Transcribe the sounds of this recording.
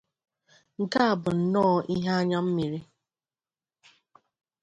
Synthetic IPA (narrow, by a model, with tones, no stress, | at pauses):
ŋ̩˨ka˦a˨bʊ˨n̩˨nɔː˦ʔi˦ɦa˦a˦ɲa˦m̩˦mi˨ɾi˦